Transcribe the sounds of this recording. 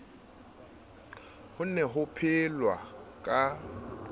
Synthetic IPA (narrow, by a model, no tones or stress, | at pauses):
hʊn̩nɛɦʊpʰɪlwakʼa